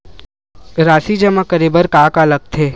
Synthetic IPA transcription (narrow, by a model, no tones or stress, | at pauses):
ɾaːsid͡ʒəmakəɾiːbəɾkaːkaləɡ̚t̪ʰeː